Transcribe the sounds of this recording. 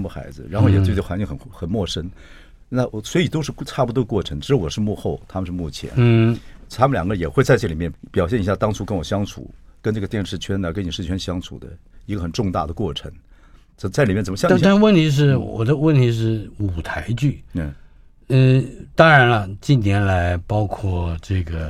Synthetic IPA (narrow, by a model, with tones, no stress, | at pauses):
mu˥˩xa̰˧˥ɪd͡zɹ̩̰˧ɻa˧˥nxo˥˩ʊjɛ˨˩twɪ˩ə˩xa˧˥nt͡ɕi˥ŋxə˨˩n˥xə˨˩nmwɔ˥˩ʂə˥n | na˥˩swɔ˧˥i˨˩t̪o˥ʊʂɻ̩˥˧˥ʈ͡ʂʰa˥˩pu˧˩w̪ə˧kwɔ˥˩ʈ͡ʂʰə˧˥ŋʈ͡ʂɻ̩˧˥jwɔ˨˩ʂɻ̩˥˧mu˥˧xo˥˩ʊt̪ʰa˥mə˧ʂɻ̩˥˧mu˥˩t͡ɕʰjɛ̰˧˥n˧t̪ʰa˥mə˨nljɑ˨˩ɡə˧jɛ˨˩xwe˥˧ɪt͡sa˥˧ɪʈ͡ʂɤ˥˩li˨˩mjɛ˥˩npjɑ˨˩ʊɕjɛ˥˩ni˧ɕja˥˩t̪ɑ˥ŋʈ͡ʂʰu˥kə˥nwɔ˨˩ɕjɑ˥ŋt͡sʰṵ˨˩˦kə˥nʈ͡ʂɤ˥˩ɡət̪jɛ˥˧nʂɻ̩˥˩t͡ɕʰɥɛ˥nə˨˩kə˥ni˨˩ʂɻ̩˥˩t͡ɕʰɥɛ˥nɕjɑ˥ŋt͡sʰṵ˨˩d̪ə̰˦ | i˧˥ɡə˧xə˨˩nʈ͡ʂʊ˥˧ŋt̪a̰˥˩d̪ə˩kwɔ˥˩ʈ͡ʂʰə̰˧˥ŋ | ə˨˩t͡sa˥˩ɪli˨˩mɛ˥˩t͡sə˨˩mə˧jɑ˥˧˥a˥˧wə˥˩nt̪ʰi˧˥ʂ̬ɻ̩˥˩wɔ̰˨˩d̪ə˦wə˥˩nt̪ʰi˧˥ʂ̬ɻ̩˥˩u˨˩t̪ʰa˧˥ɪt͡ɕy˥˩˥ | t̪ɑ˥ŋɻa˧˥nlɐ˧t͡ɕi˥˩nnjɛ˧˥nla˧˥ɪpɑ˥ʊkʰwɔ˥˩ʈ͡ʂɤ˥˩ɡə˩